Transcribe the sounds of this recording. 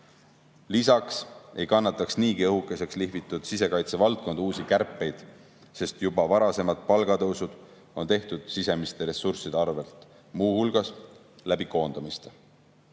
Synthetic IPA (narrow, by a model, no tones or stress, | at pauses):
lisɑkse̞jkɑnːɑt̪ːˑɑksniːkiɤɦukːˑese̞ksliɦvit̪ːˑud̪̥sise̞kɑjt̪sevɑlt̪̚ko̞nd̪̥uːsikærpːˑe̞jd̪̥ | se̞st̪jubɑvɑɾɑse̞mɑd̪̥̚pɑlɡ̥ɑt̪ɤwsud̪̥ | o̞nt̪e̞ht̪ud̪̥sise̞mist̪e̞ɾe̞sːursid̪̥eɑrve̞lt̪ˑ | muːhulɡ̥ɑs | læbiko̞ːnd̪̥ɑmist̪e